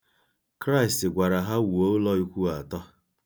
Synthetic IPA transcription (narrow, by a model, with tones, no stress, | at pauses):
kɾa˦i˨stɪ˨ɡʷa˨ɾa˨ɦa˦wu˨o˦lɔ˦i˦kʷu˦a˨tɔ˦